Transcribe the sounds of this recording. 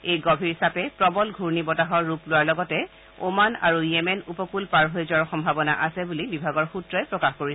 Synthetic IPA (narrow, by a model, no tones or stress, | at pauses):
ejɡɔbʱiɹisapɛpɹɔbɔlɡʱuɹnibɔtaɦɔɹːuplʊwaɹlɔɡɔtɛ | omana̰ɹujɛmɛnupɔkulpaɹɦojzɔɹxɔmbʱabɔna̰ʔasɛbulibibʱaɡɔɹxutɹɔjpɹɔkaxkoɹi